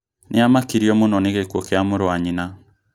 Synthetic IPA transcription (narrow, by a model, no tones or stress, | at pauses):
nʔɪamakiɾiɔmonɔneɣekwɔkeamoɾoaɲina